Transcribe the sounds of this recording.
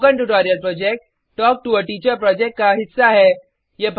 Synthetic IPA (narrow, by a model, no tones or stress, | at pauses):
kə̃ɳʈuʈɔːɾijəlpɾɔːd͡ʒɛk̚ʈː | ɔːk̚ʈuəʈiːt͡ʃəɾpɾɔːd͡ʒɛk̚ʈ̚kaɦɪsːaɦɛ | jep